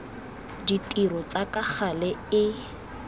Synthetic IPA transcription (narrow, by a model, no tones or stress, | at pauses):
ditʼirɔt͡sakak͡xʰalɛɪ